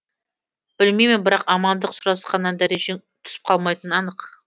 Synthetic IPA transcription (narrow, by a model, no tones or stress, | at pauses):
b̥ɪlmejmɪnbɪɾɑqɑmɑnd̪əqsʊɾɑsqɑnːɑnd̪æɾe̞ʒeŋ | t̪ʰʏ̥sɪ̥p̚qʰɑlˠmɑjt̪ənɑnəq